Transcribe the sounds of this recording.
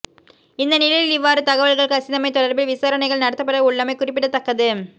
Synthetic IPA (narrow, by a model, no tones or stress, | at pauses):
ɪnd̪ɐnɪlɐjɪlɪʋːaːɾɯt̪ɐɣɐʋɐɭɣɐɭkɐsɪðɐmɐɪt̪ːɔɽɐɾbɪlʋɪsaːɾɐɳɐɪɣɐɭnɐɽɐt̪ːɐpːɐɽɐʊɭːɐmɐɪkʊrɪpːɪɽɐt̪ːɐkːɐðɯ